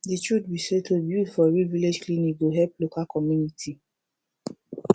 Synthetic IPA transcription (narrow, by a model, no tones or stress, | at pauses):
detudbisetʰobjufɔɹiviled͡ʒklĩnikɡoɦɛplokakɔmjunitʰi